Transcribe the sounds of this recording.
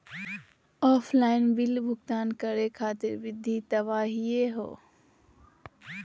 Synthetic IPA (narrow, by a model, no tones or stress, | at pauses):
ɔːfʰlaːɪnbɪlbʱʊkt̪aːnkəɾekʰaːt̪ɪɾʋɪd̪ʱːit̪ɐβaːɦieɦo̰ː